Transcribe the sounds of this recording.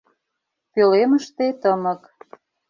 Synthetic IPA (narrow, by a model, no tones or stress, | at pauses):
pøleməʃt̪et̪əmə̆k